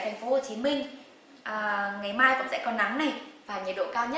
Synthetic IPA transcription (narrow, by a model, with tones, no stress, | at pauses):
t̪ʰŋ̟fo˨˦ho˧˩t͡ɕi˨˦mï˧ŋ̟ | ʔəː˨˩ŋa˨˩jmaː˧jkʊ̰˧˥ŋ͡msɛ̰˧˥kɔ˧nːa˨˦mna˨˩jvaː˨˩ɲə̰˨˩tɗo̰˧˨kaː˧wɲə˦˥